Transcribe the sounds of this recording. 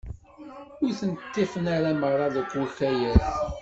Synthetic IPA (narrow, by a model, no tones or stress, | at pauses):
ʊɾθənt̪ːifənaɾamərˤːɑðəkʷːwʊçæjæθ